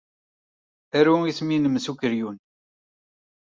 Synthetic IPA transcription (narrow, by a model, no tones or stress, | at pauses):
æɾuisminəmːsukəɾjun